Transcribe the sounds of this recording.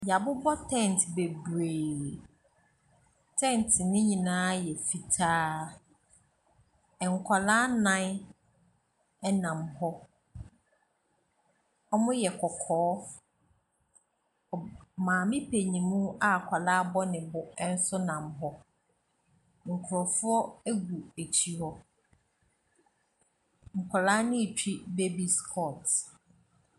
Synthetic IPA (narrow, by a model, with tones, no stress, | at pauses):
ja˨bʊ˦bɔ˦tʰɛ̃˦˨n˨tbe˨bu˨e˨ | tʰɛ̃˦˨n˨tʰɪ˨nɪ̃˦ɲĩ˨nãː˦jɛ˨fi˨tʰaː˦ | ɛ˨ŋ̩˨kʰa˨laː˦nã˦ | ɛ˦nã˨mhɔ˦ | ɔ˦mʊ̃˦jɛ˨kʰɔ˨kʰɔː˨˦ | ɔ˨mãː˨mɪ̃˦pʰe˨ɲĩ˨mũ˦a˦˨kʷʰɔ˨laː˦bɔ˦nɪ̃˨bʊ˨ɛ˦n̩˦sʊ˦nã˨mɦɔ˦ | ŋ̩˨kʰʊ˨ɾɔ˨fʊ˦ɔ˦æ˦ɡu˨æ˨t͡ɕʰi˨hɔ˦ | ŋ̩˨kʷʰɔ˨laː˦nɪ̃˦˨t͡ɕᶣi˦be˦bi˨skʰɔ˦˨t